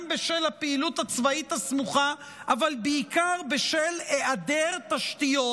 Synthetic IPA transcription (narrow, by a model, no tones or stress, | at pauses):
mbeʃelapeilut̪hat͡svait̪asmuχa | ʔavalbeikaʁbeʃeleʔad̪eʁt̪aʃt̪ijo